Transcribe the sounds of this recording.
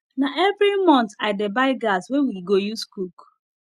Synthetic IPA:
naʔevɾimɔ̃ntaɪdebaɪɡaswewiɡojuskuk

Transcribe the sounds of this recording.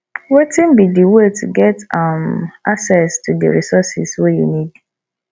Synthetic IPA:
wetĩnbidiwetʰṵɡɛtamaksɛstʰudə̰ɹisɔsḭswejṵnid̥

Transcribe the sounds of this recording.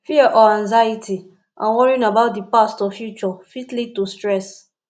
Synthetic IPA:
fiɛʔɔãŋzaitʰi | ʔã̰nwɔɹĩnabaʊt̚dipastɔfjut͡ʃɔfitlid̚tustɹɛs

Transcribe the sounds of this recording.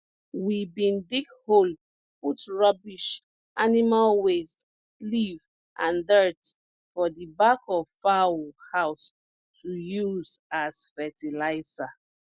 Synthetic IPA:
wibĩndikhol | putɹɔbiʃ | ʔanimalwes | liv | ʔãndɜt | fɔdibakʰɔvfawuhaʊs | tujuzazfɛtilaɪsa

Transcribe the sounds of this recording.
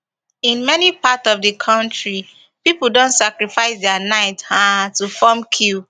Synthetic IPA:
ĩnmɛnipatsɔvdəkʰãntɹi | pipl̩dõntsakɹifaɪsdɛanaɪthatufɔmkʰu

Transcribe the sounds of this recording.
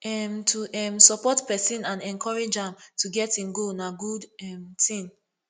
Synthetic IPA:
ɛmtʰuʔɛmsɔpɔtpɛsĩnãnɛ̃nkʰɔɹed͡ʒãmtʰuɡɛtĩnɡonaɡudɛmtʰĩn

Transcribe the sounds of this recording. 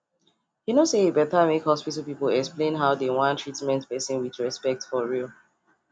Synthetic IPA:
junoseebɛtamekhɔspitəlˠpipəlɛksplẽnɦaʊdewɔ̃ntʰɹitmɛ̃ntpɛsɔ̃nwidɹɛspɛk̚tfɔɹil

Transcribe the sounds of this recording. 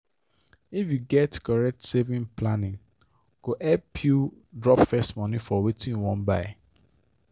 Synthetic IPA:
ifjuɡɛtkɔɹɛk̚tsevĩnplanĩn | ɡ̥oʔɛpʰjudɹɔpfɛstmɔ̃nĩfɔwetʰĩnwɔ̃nbaɪ

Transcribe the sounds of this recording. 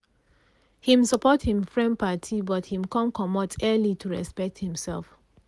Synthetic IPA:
hĩmsɔpɔthĩmfɹɛ̃npatʰibɔthĩmkɔ̃nkʰɔmɔtʰɛlitʰuɹɛ̰spɛk̚thĩmsɛlˠf

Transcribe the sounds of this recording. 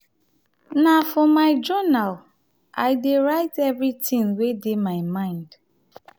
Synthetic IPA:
nafɔmaɪd͡ʒɔnal | aɪdeɾaɪtɛvɾitĩŋwedemaɪmãɪ̃nd̥

